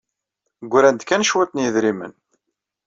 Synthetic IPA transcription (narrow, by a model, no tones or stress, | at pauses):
ɡʷːɾænd̪kænʃwæt̪njəðɾimə̰n